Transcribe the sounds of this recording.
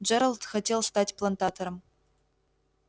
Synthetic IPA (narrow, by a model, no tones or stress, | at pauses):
d͡ʒeɾəlˠt̪xɐtʲelˠʂt̪atʲplˠant̪at̪ʰoɾəm